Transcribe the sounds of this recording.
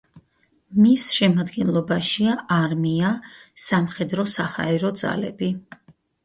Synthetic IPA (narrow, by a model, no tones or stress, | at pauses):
misʃɛmad̪ɡɛnlˠɔbaʃiaʔaɾmiasamχɛd̪ɾɔsaha̰ɛɾɔd̪za̰lɛ̰bi